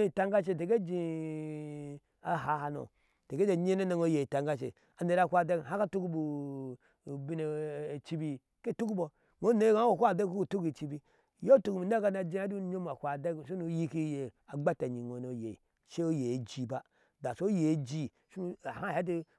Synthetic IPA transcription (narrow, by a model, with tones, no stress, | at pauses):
e˦˨i˨ta˦ŋɡa˦ʃ̬e˨t̬e˨ɡe˦d͡ʒi˨ | a˨ɦa˨˦ha˨no̰˨ | te˨ɡe˦d͡ʒe˨ɲe˦ne˦ne˨ŋo˨˦je˨i˨ta˨ŋɡa˦ʃḛ˨ | a˨ne˨ɾa˨kʷa˨de˦˨a˦ka˦tu˦ku˦bu˨ | bi˦ne˨t͡ʃi˦bi˨ | ke˦˨tu˦ku˦bo˨ | ŋo˨˦ne˦ɡa˦wo˨kʷa˦˨de˦ku˦u˨tu˦ki˨t͡ʃi˦bi˨ | jo˦tu˨ku˨mi˨n˦a˦ka˦na˨d͡ʒi˦a˦du˦ɲo˦m˨a˨kʷa˨de˦ɡʃu˦nu˨˦ji˦ki˦je˨ | a˨ɡ͡ba˦ta˨ɲi˨ŋo˨no˨je˨i˨ | ʃe˦o˦je˨d͡ʒi˦˨ba˦ | da˨so˦je˨˦d͡ʒi˦ | ʃu˦nu˨a˨ha˦˨ha˦i˦